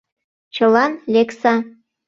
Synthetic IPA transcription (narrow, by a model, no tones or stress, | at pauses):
t͡ɕɤ̆lɑnlʲeksɑ